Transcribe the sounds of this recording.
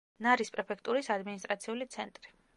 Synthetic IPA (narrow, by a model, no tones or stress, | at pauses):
naɾispʼɾɛpʰɛkʰt̪ʼuɾisad̪minist̪ʼɾat̪sʰiulit̪sʰɛnt̪ʼɾi